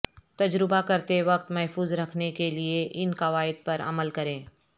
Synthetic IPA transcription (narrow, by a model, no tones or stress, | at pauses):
t̪ɐd͡ʒɾɪbakɐɾt̪eʋɐq̚t̪mɛɦfuːzɾɐkʰnekelieʔɪnkɐʋaːɪd̪̚pɐɾɐ̰məlkɐɾẽː